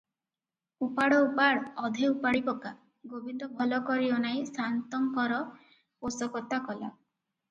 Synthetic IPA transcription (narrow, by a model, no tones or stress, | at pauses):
upaɽɔupaɽɔd̪ʱeupaɽipɔka | ɡobind̪ɔbʱɔlɔkɔɾiɔnajsant̪ɔŋkɔɾɔ | posɔkɔt̪akɔla̰